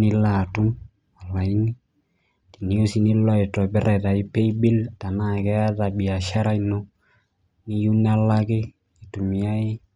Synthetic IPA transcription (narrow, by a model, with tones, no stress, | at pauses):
nɪ˦lːa˨tu˦m | a˨lwa˨i˦ni˦ | ti˨ni˨o˦si˨ni˦lɔ˦ɪ˨tɔ˨bɛ˦ɾɛ˨ta˨ɪ˦pe˦i˦bi˦lta˨na˦kɛ˦a˦ta˨bi˨a˨ʃa˦ɾa˦ino˦ | nɪ˦ju˦na˦lːa˦kɪ˦ | i˨tu˨mi˨a˦ɪ˦